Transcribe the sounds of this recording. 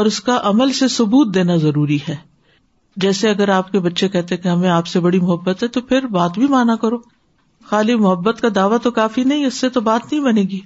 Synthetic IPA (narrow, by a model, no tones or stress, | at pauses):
ɔːɾʊskaʔɐməlsesʊbuːt̪̚d̪eːnazɐɾuːɾiɦɛː | d͡ʒɛːseɐɡəɾaːp̚kebɐtːʃekɛɦt̪eɦkeɦɐmẽaːpsebɐɽimʊɦəbːət̪ɦɛt̪opʰɪɾbaːt̪bʱimaːnakɐɾoː | xaːlimʊɦəbːət̪kad̪aːʋat̪okaːfinɐɦĩʊsːet̪obaːt̪nɐɦĩbɐnẽːɡiː